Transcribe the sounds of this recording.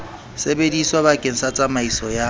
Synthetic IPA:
sebediswaβakʼen̩sat͡sʼamaisɔja

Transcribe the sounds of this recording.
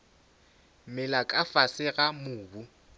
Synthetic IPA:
mɪlakʼafasɪɣamʊːbu

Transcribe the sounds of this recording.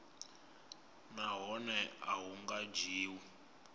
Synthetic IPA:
naɦɔnɛaɦuŋɡad͡ʒiːwi

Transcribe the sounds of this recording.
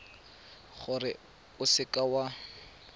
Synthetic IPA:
χʊrɪ | ʊsɪkʼawa

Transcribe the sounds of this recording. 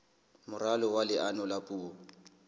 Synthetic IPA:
mʊralɔwalɪʔanɔlapʼuːɔ

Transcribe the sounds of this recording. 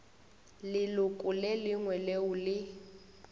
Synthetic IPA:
lɪlʊkʼʊlelɪŋwɛleʊlɪ

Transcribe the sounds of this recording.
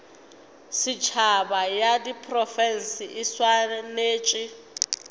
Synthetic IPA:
sit͡ʃʰabajadipʰʼrɔfɛnsiiswaneːt͡ʃʼi

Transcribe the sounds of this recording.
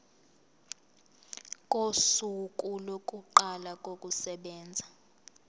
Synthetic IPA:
kʼosukʼulokʼuǃalakʼokʼusɛɓɛːnd͡zʱa

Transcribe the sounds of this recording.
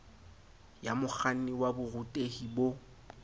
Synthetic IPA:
jamʊk͡xʰan̩niwabʊrʊtʼehibo

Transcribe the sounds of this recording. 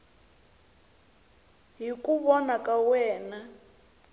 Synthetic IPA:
ɦikʼuβɔnakʼawɛːna

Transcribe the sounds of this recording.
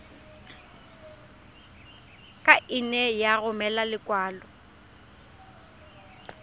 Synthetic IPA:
kʼaʔɪnɛjaɣʊmɛlalɪkʼwaːlɔ

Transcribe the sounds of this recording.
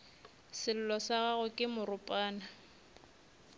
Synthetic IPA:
sɪl̩lɔsaɣaɣʊkʼɪmʊrʊpʼaːna

